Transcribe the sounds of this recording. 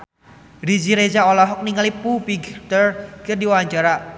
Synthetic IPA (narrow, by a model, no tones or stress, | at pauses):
ɾid͡ʒiɾed͡ʒaolɔɦɔk̚niŋalipupiɡt̪ərkərdiwaɲt͡ʃaɾa